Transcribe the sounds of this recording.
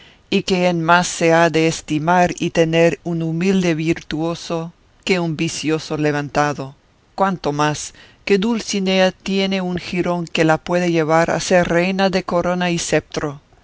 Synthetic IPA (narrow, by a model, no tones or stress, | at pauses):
ikeenmasːeaðeːst̪imaɾit̪eneɾunumild̪e̞βiɾt̪uo̞so | keumbisjosoleβ̞ant̪aðo̞ | kwant̪o̞maske̞d̪ulsineat̪jene̞uŋxiɾo̞ŋkelapwe̞ðeʝeβaɾa̰seɾrejnaðeko̞ɾo̞naisep̚t̪ɾo